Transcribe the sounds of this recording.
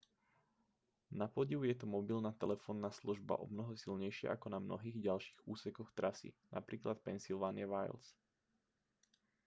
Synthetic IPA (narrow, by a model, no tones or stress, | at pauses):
napɔɟiʋʊjɛt̪umɔbilnaːt̪ɛlɛfɔːnːaːsluʒba̰ʔɔ̰bnɔɦɔsilɲɛjʃɪɛ̰ʔakɔnamnɔ̰ɦiːɣɟalʃi̥ːɣuːsɛkɔxt̪ɾʔasḭnʔa̰pɾiːklat̪̚pɛnsilʋaːnɪaʋajls